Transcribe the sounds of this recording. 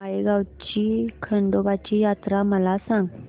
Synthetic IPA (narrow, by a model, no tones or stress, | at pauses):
aiɡawt͡ɕiːkʰəɳɖobat͡ɕiːjat̪ɾaməlasãŋɡ